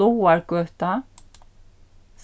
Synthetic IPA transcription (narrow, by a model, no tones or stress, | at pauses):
owaɾkœht̪a | θ